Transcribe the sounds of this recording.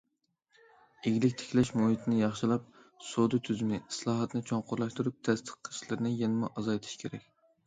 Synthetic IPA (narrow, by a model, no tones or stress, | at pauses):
eɡʲilɪkʲt̪ʰe̥kʲʰlɛʃmuɦit̪ʰɪnɪjɑχʃilˠɑp̚sod̪ɨt̪ʰyzymɪslˠɑːɦɑt̪nɨt͡ʃʰoɴqʊɾlˠɑʃt̪uɾup̚t̪ʰɛst̪ʰə̥qʰːə̥ʃlˠɨɾnɪjɛnɪmʊʔɑzɑjt̪ʰi̥ʃkʲʰeɾɛ̰kʲ